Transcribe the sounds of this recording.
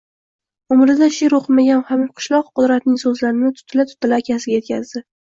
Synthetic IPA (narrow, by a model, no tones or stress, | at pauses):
ʊmɾɪd̪aʃeɾoqʰɨmaɡʲanhamɪlqʰɨ̥ʃlˠɒqqːʊd̪ɾat̪nɪŋsɵzlaɾɪnɪt̪ʰʊ̥t̪ʰːɪlat̪ʰʊ̥t̪ʰːɪlaːkʲʰasɪɡʲaje̞t̪̚kʲazd̪ɪ